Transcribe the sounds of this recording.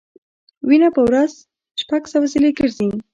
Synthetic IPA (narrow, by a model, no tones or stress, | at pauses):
winapəwɾaz | ʃpaɡsawasileɡəɾzin